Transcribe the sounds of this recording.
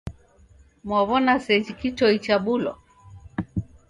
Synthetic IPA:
mɔβɔnasɛd͡ʒikitɔit͡ʃaɓulɔ̰

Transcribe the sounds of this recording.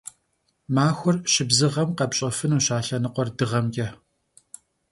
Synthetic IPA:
maːxʷʊrʃɪbzɨʁɐmqɐbɕʼɐfɨnuːʃaːɬɐnɨqʷɔrdɨʁɐmɡʲɐ

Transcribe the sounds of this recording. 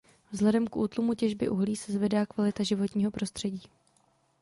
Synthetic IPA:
vzɦlɛdɛmkʔuːt̪lumucɛʒbɪ̰ʔuɦliːsɛzvɛdaːkvalɪt̪aʒɪvo̞t̪ɲiːɦo̞pɾo̞st̪r̥ɛɟiː

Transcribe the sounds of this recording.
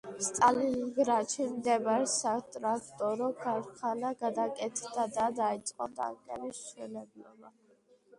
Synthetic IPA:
st̪ʼaliɡɾat͡ʃʰimd̪ɛbaɾɛsat̪ʼɾakʰt̪ʼɔɾɔɡʰaɾχʰanaɡad̪akʼɛt̪ʰd̪ad̪ad̪ait̪sʼqʼɔd̪ʼa̰ŋkʼɛ̰lisʃwɛlɛblɔba

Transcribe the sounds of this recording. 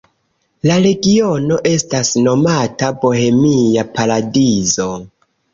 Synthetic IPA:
laɾe̞ɡio̞no̞ʔe̞stasno̞matabo̞he̞mijapaɾadizo̞

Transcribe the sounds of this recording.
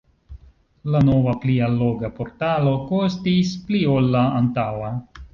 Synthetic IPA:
lano̞vaplialːo̞ɡapo̞ɾtalo̞kostisplio̞lːaːntawa

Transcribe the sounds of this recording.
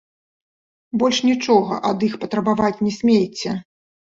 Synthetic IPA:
bɔlʲʂnʲit͡ʂɔɣɐ̰ʔɐd̪ixpɐt̪ɾɐbavat͡sʲnʲɛsʲmʲejt͡sʲːɛ

